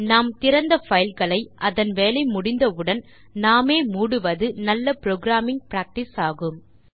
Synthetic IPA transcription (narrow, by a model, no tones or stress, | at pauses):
naːmt̪ɪɾɐnd̪ɐfɐjlɣɐɭɐɪʔɐðɐnʋeːlɐɪmʊɽɪnd̪ɐɯɽɐn | naːmeːmuːɽɯʋɐðɯnɐlːɐpɾoːɡɾaːmɪŋ̚pɪɾaːk̚ʈɪsaːɣɯm